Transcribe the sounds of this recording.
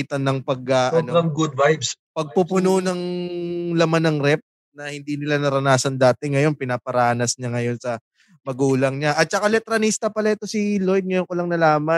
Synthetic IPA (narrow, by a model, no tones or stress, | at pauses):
t̪ɐnːɐŋpɐɡ̚ɐʔɐnoɐŋɡʊd̪̚vajbspɐɡ̚pupʊnonɐŋ | lɐmanɐŋɾɛp̚ | nɐhɪnd̪inɪlanɐɾɐnaːsɐnd̪aːt̪ɛŋɐjo̞npɪnaːpɐɾaːnɐsɲaŋɐjo̞nsɐ | mɐɡuːlɐŋɲaʔɐt̪̚t͡ʃɐkalɛt̪ɾɐnist̪ɐpɐlaʔɛt̪o̞silo̞jd̪̚ŋɐjonkolɐŋnɐlaːmɐ